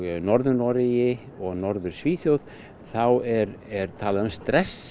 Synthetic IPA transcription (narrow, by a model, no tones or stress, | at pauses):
ɣnɔɾðʏnɔɾɪjɪ | ɔɣnɔɾðʏɾ̥sviːθjowð | θawɛɾɛɾt̪ʰaːlaðʏmst̪ɾɛs